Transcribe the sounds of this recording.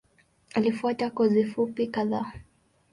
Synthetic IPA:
alifuatakɔzifupikaðaː

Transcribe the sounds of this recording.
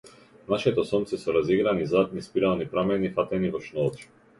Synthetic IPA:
naʃit̪ɔsɔmt̪sɛsɔɾaziɡɾanizat̪̚mispiɾalnipɾamɛnifat̪ɛnivɔʃnɔt͡ʃ

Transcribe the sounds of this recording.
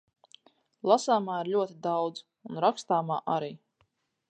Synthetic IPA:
lˠasaːmaːiɾlʲuɔt̪id̪awd̪z̥ | unɾakst̪aːmaːʔaɾiː

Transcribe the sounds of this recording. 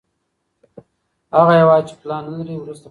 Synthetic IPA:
haɣajewɑt͡ʃe̥plɑnalaɾiwɾust̪a

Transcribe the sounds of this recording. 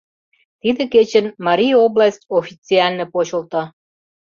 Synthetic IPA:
t̪id̪ĕket͡ɕənmɑɾʲijoblɑsʲtʲofʲit͡siɑlʲnĕpot͡ɕə̆lt̪ɑ

